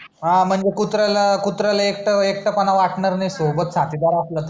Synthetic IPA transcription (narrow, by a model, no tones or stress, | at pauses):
ɦãm̤əɳd͡zekut̪ɾalakut̪ɾalaek̚ʈəek̚ʈəpənaʋaʈɳəɾnajsobət̪sat̪id̪aɾaslət̪ə